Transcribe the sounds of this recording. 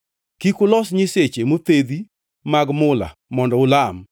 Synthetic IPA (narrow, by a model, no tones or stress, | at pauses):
kikʊlɔsɲɪset͡ʃemot̪ed̪i | maɡmʊla̰mɔndɔʊlam